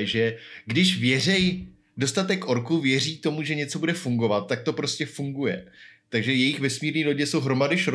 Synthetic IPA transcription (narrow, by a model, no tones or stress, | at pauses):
ʒɛɡdɪʃvjɛr̝ɛj | do̞st̪at̪ɛkːʔo̞ɾkuvjɛr̝iːt̪o̞muʒɛɲɛt͡so̞budɛfuŋɡo̞vat̪̚ːak̚t̪o̞pɾo̞scʲɛfuŋɡujɛ̰t̪aɡʒɛjɛjɪxvɛsmiːɾɲiːlo̞ɟɛso̞wɦɾo̞madɪʃɾ